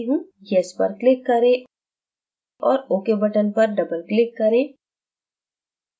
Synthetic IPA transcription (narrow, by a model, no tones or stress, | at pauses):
ɦũjɛspɐ̰ɾklɪkːɐɾẽ | ɔːɾoːkebɐʈənpɐɾɖɐbəlklɪkːɐɾẽː